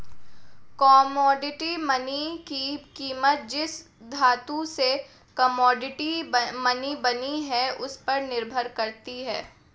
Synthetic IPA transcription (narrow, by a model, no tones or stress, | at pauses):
kɔːmɔːɖɪʈimɐnikikiːmət̪̚d͡ʒɪs | d̪ʱaːt̪use | kɐmɔːɖɪʈimɐnibɐniɦɛʊspɐɾnɪɾbʱəɾkɐɾt̪iɦɛː